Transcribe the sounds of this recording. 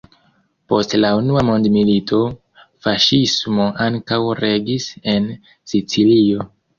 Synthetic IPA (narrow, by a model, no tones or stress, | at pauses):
po̞stlaunuamo̞ndmilitʰo̞ | faʃismo̞ʔaŋkawɾe̞ɡise̞n | sit͡silio̞